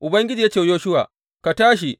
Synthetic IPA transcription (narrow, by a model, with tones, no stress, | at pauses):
ʔʊ˨bɐ˦ŋɡʲɪ˦d͡ʒiː˨ja˦t͡ʃe˨˦joː˦ʃʊ˦wa̰ː˨ | ka˨taː˦ʃi˨